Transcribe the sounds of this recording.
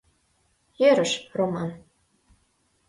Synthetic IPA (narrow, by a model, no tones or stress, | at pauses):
jeɾɘ̆ʃromɑn